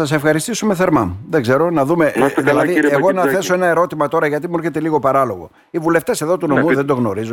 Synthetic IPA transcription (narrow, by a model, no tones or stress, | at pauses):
ɐse̞fxɐɾist̪isumeθe̞ɾmɐmðeɡze̞ɾo̞nɐðume̞ðilɐðieɣo̞nɐθe̞so̞e̞nɐe̞ɾo̞t̪imɐt̪o̞ɾɐʝɐt̪̬imue̞ɾçet̪eliɣo̞pɐɾɐlo̞ɣo̞̰ | ivule̞ft̪e̞se̞ðo̞t̪uno̞muðend̪o̞ɣno̞ɾizu